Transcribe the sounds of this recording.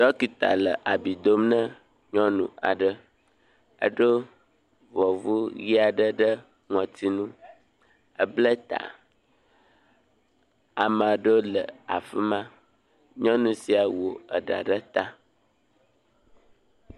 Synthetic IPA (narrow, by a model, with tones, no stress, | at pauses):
d̪ɔ˦ki˨t̪a̰˨lə˨ʔa˨bi˨d̪o˦mnə̃˦ | ɲɔ̃˦nṵ̃˨a̰˨ɖə˦ | ə̰˦ɖə˦ | vɔ˨vu˦ji˦a˨ɖə˦ɖə˦ | ŋɔ̃˨t̪i˦nũ˦ | ə˦blə˦t̪a̰˨ | a˨mã˨ɖə˦lə˨a̰˨fə˦mã˦ | ɲɔ̃˦nũ˨si˨a˨wo˨ə˨ɖa̰˨ɖə˦t̪a˦